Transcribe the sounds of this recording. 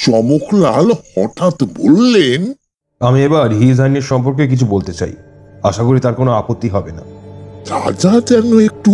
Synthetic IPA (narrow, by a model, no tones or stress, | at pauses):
ʃɔmokʰlalhɔʈʰat̪bolːen | amiebaɾɦid̪ʱaneɾʃɔmpoɾk̬ek̬it͡ɕʰubolt̪et͡ɕa̰j | aʃakoɾit̪aɾkonoapot̪ːiɦɔbena̰ɾa̰d͡ʑad͡ʑɛnoek̚ʈu